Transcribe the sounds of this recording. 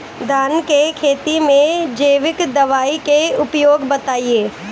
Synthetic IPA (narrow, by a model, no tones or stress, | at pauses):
d̪ʱaːnkekʰeːt̪imẽd͡ʒəːʋɪkd̪ɐʋaːikeʊpjoːɡbɐt̪aːieː